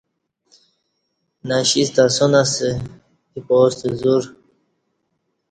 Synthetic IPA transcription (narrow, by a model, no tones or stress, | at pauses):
naɕist̪asonase | ipoːst̪ezuɾ